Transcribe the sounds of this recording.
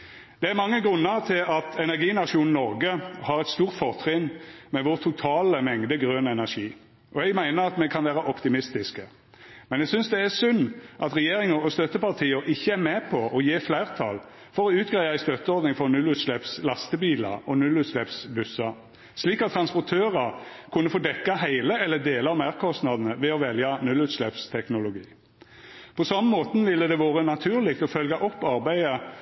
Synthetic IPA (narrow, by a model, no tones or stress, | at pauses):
d̪̥ɛæɾmɑŋːəɡʁʉnːəʁt̪ʰɪlɑt̪ʰɛnæʁɡiːnɑʂuːnn̩ɔʁɡəhɑɾɛt̪st̪uːʁt̪fɔʁt̪ʰʁɪnːmɛʋʊʁt̪ʰʊt̪ʰɑːləmɛŋd̪əɡʁøːnɛnæʁʃiː | ʔɔɛɡmæɪnəʁɑt̪mɛkʰɑnʋæːʁəʔɔpt̪ɪmɪst̪ɪskə | mɛnɛɡsʏnsd̪ɛæsʉnːʔɑt̪ʁɛjeːʁɪŋəɔst̪œt̪ːəpɑʁt̪ʰiːəɾʔɪçːəæmɛpʰɔʔɔjeːflæɪʁt̪ʰɑ̰l | fɔɾɔʉːt̪̚ɡʁæɪɑæɪst̪œt̪ːəɔɾd̪nɪŋfɔʁnʉlːʉːt̪slɛpslɑst̪əbiːlɑ̰ʔɔnʉlːʉːt̪ʂlɛpsbʉsɑ | sliːkɑt̪ʰːɾɑnspɔt̪ʰøːʁɑɾkʰʉnːəfoːd̪ɛkːɑɦæɪləɛlːəd̪eːlɑɔmæʁkʰɔst̪nɑd̪ən̩əʋɛɔʋɛljɑnʉlːʉːt̪ʂlɛpst̪ʰɛknʊlʊɡḭː | pʰɔsɑmːəmoːt̪nʋɪlːəd̪ɛʋoːʁənɑt̪ʰʉːʁlɪkt̪ɔfœlɡɑʔɔpːɑɾbæɪə